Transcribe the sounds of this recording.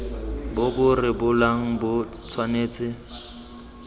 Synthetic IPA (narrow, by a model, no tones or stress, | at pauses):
bʊbʊrɪbʊlaŋ̩bʊt͡sʰwaneːt͡sʼɪ